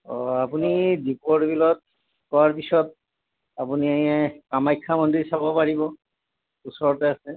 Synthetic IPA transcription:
ɔapunidipɔɾbilɔt̪̚ | kɔwaɹpisɔt̪̚ | apuniaɦĩɛkamajkʰːamɔnd̪isabɔpaɹibɔ | usɔɔtease

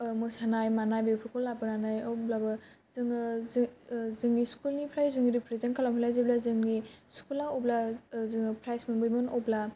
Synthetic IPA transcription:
mɯsanajmanajbepʰɾukʰɔlːabɯnanajɔwblabɯ | zɯŋzzɯŋniskulnipʰɾajzɯŋiɾipʰɾezenkʰalamhalajzeblazɯŋniskulaɔblazɯŋpʰɾajsmɯnbɯjmɯnɔwbla

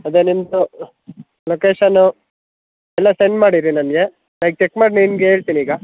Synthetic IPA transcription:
ɐd̪enind̪u | lokeːʃɐnu | ɛlːɐseɳɖmaːɽiɾinɐnɡe̞ | lajk̚t͡ʃekmaːɖninɡeeːɭt̪iniiːɡɐ

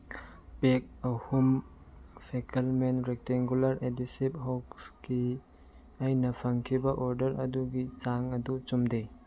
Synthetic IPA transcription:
pek̚ɐhum | pʰekʰelmenɾek̚taŋɡulɐɾedisiphokski | ajnɐpʰɐŋkʰibɐʔoɾdɐɾɐ̰duɡit͡ʃaŋɐdut͡ʃumdej

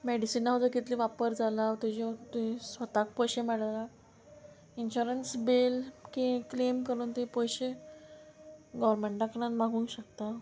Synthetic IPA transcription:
meɽisinːaɦəd͡z̪əɾkit̪liʋapəɾd͡zʱalaʋt̪ed͡ʑet̪uisʋət̪ak̚pɔjɕemɛɽala | inɕuɾənsbelkĩklemkəɾuːnt̪eipɔjɕe | ɡɔʋɾmeɳʈɖaknanmaɡʱũːŋkɕək̚t̪a

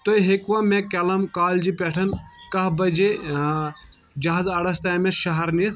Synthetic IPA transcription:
t̪ojɦekʋɐmẽkɐlɐmkaːld͡ʒipɛʈʰɐnkɐɦbɐd͡ʒe | d͡ʒɐɦazɐɽɐst̪ɐmẽʃɐɦɐɾnit̪

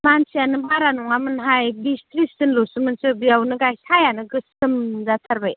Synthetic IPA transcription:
mansijanɯbaɾanuŋamɯnɦajbistɾisɯnlosɯmɯnsɯbijawnɯɡajsajanɯɡɯsɯmzatʰaɾbaj

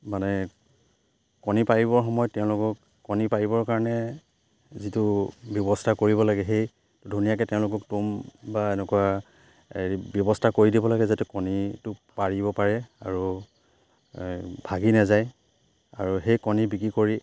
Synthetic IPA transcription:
manɛ | kɔnipaɹibɔɹxɔmɔjɔt̚tːɛʊ̃lʊkɔkːɔnipaɹibɔɹkaɹɔnɛ | zitʊbjɔbɔstʰakoɹibɔlaɡɛɦej | dʱunijakɛtɛʊ̃lʊkɔk̚tumbaɛnɛkuwa | eibjɔbɔstʰakoɹidibɔlaɡɛzatɛkɔnitʊpaɹibɔpaɹɛa̰ɹu | bʱaɡinazaj | aɹuxejkɔnibikɹikoɹi

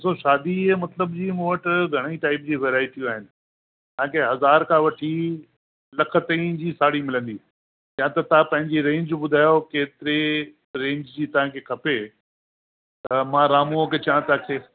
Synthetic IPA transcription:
ɪsoʃaːd̪imɐt̪ləbd͡ʑiːmuːʋəʈɪɡʱɐɽ̃iʈaːɪpd͡ʑiːʋeːɾaːɪʈiũaːɦɪnɪ̆ | t̪ɐãkʰeɦɐzaːɾkʰãːʋɐʈʰi | lɐkʰə̆t̪ɐ̃ĩd͡ʑiːsaːɽimɪlə̃nd̪iː | jãt̪ɐt̪ɐãpɐ̃ɦɪ̃ɲd͡ʑiɾẽːɲd͡ʑbʊd̪ʱaːjokeːt̪ɪɾe | ɾẽːɲd͡ʑd͡ʑiːt̪ɐʋ̤ãkʰekʰɐpe | t̪ɐmãːɾaːmũoket͡ɕaãt̪aːkʰeː

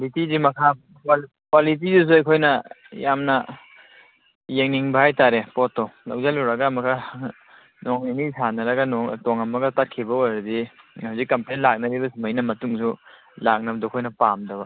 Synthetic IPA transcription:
bitidimɐkʰa | k | kwalit̬izus̬uɐjkʰojnɐ | jamnɐ | jeŋniŋbahajtaɾepɔtːɔlawzalɔwɾɐɡaːmɐkʰa | noŋninisanɐɾɐɡanɔŋtoŋɐmɐɡɐtat̚kʰibɐojɾɐdihawzikːɐmplenlak̚nɐɾibɐsimajnɐmɐtuŋsu | lak̚nɐbdɔkʰojnɐpamdɐbɐ̰

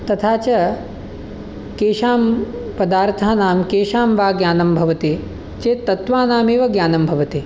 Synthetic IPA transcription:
t̪ɐt̪ʰaːt͡ʃɐ | keːʂaːmpɐd̪aːɾt̪ʰaːnaːmkeːʂaːmʋaːɡjaːnɐmbʱɐʋɐt̪i | t͡ʃeːt̪ːɐt̪ʋaːnaːmeːʋɐɡjaːnɐmbʱɐʋɐt̪i

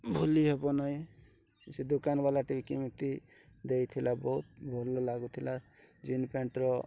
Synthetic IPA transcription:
bʱuliɦebɔnai | sed̪okanbalaʈibikimit̪i | d̪eit̪ʰilabɔɦut̪̚bʱɔlɔlaɡut̪ʰila | d͡ʒinpeɳʈɾɔ

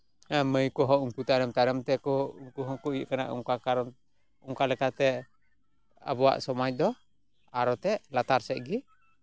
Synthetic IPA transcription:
aməjkɔɦɔuŋkut̪anɛmt̪aɾəmt̪ɛkɔuŋkuɦɔkuiʔkana̰ʔṵŋkakaɾɔm | uŋkalɛkat̪ɛ | a̰buwa̰ʔsɔmac̚d̪ɔ | aɾɔt̪ɛʔlat̪aɾsɛʔɡi

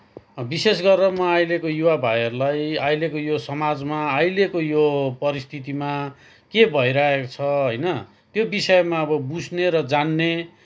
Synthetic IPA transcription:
bisesɡʌrːʌmʌajlekojuwabʱajʌɾulajajlekojosʌmad͡zmaːjlekojopʌɾist̪ʰit̪ima | kebʱʌiɾʌɦekot͡sʰʌɦojnʌ | t̪jobisʌmaʌbʌbud͡zneɾʌd͡zanːe

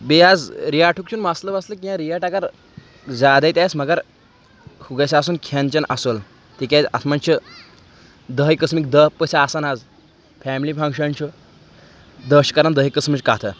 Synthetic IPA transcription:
bead͡zɾijaʈʰuk̚t͡ʃʰuːnmasləʋaslək̬ʲĩãɾijaʈakaɾ | d͡zad̪ajt̪ʲajsmɐɡəɾ | huɡasaːsuːnkʰɐnt͡ɕɐnʔasol | t̪ikʲaa̰t̪ʰmant͡ɕʰə | d̪əɦjkəsmikd̪əɦpəsaasanad͡z | fʰɛmilipʰɐŋɡʂənt͡ɕʰu | d̪əɕkaɾand̪əɦəjkəsmit͡ɕkaɦt̪ʰə

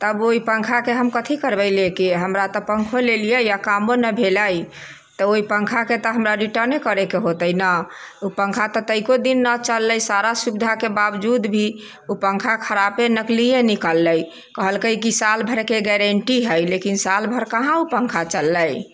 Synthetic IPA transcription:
t̪əboipəŋkʰakeɦəmkət̪ʰikəɾbəɪlekeɦəmɾat̪ɔpə̃ŋkʰolelijəjakamonəbʱeləj | t̪ɔoipəŋkʰaket̪ɔɦəmɾaɾiʈəɾnekəɾekeɦot̪əjnəupə̃ŋkʰat̪ɔt̪əɪkod̪inːət͡ʃəlːəjsaɾasubid̪ʱakebabd͡ʒud̪bʱi | upə̃ŋkʰakʰəɾapenəklijenikəlːəj | kəɦəlkəjkisalbʱəɾkeɡɛɾəɳʈiɦəjlekinsalbʱəɾkəɦãupəŋkʰat͡ʃəlːəj

